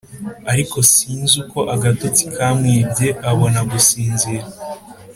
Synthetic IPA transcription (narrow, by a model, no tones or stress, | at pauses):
aɾiko̞siːnzuko̞ʔaɡatot͡si̥kʰamŋiːbɟe̞ʔaβonaɡusiːnziɾa